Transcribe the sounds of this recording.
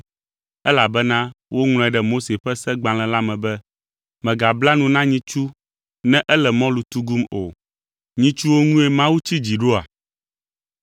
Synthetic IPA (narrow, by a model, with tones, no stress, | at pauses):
ɛ˦la˨bɛ˦nã˦wʔo˦ŋl̃ɔ̃˨ɛ˨ɖɛ˦˨mo˦se˨ɸɛ˦sɛ˦ɡ͡bã˨l̃ɛ̃˨la˦mɛ̃˨bɛ˦ | mɛ̃˨ɡa˨bla˦nũ˨nã˦ɲĩ˦t͡ʃu˦ | nɛ̃˦ʔɛ˦lɛ˨mɔ̃˦lu˨t̪u˦ɡu˦mo˨ | ɲĩ˦t͡ʃu˦wo˦ŋũ˦e˦mã˦wu˦t͡ɕi˦d͡ʑi˨ɖo˦a̰˨